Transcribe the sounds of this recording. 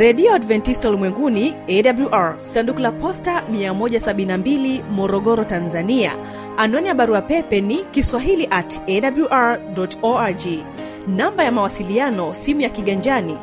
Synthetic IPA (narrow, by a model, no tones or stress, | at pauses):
ɾɛɗiɔadvɛntistaulimwɛŋɡuniɛɗabluʔaɹsandukulapɔstamiamɔʄasaɓinnambilimɔɾɔɠɔɾɔtanzania̰ː | nɔnijaɓaɾuapɛpɛnikiswaɦiliʔatɛɗabluʔaɹɗɔtɔad͡ʒi | nambajamawasilianɔsimujakiɠaɲd͡ʒani